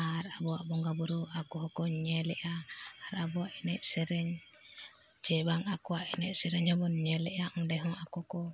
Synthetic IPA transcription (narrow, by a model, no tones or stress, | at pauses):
aɾabɔaʔbɔŋɡabuɾuakɔɦɔkɔɲɛlɛʔaːɾabɔaʔinɛʔsɛɾɛɲ | d͡ʒɛbaŋakuaʔinɛʔsɛɾɛɲhɔbɔnɲɛlɛʔaʔɔndɛɦɔŋakɔkɔ